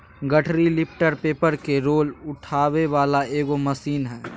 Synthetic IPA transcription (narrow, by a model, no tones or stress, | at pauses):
ɡəʈʰɾilɪp̚ʰʈəɾpeːpəɾkeɾoːlʊʈʰaːweʋaːlaeːɡomɐsiːnɦɛː